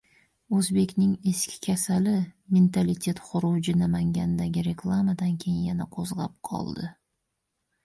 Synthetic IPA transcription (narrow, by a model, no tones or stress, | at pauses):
ɵzbe̞kʲnɪŋe̞skʲʰɪ̥kʲʰasalɪme̞nt̪ʰalɪt̪ʲʰe̞t̪χʊɾʊd͡ʒɪnamaŋɡʲanɪd̪aɡʲɪɾe̞kʰlˠamad̪ankʲʰe̞jɪnjanaqʰozlap̚qʰɒ̰lˠd̪ɪ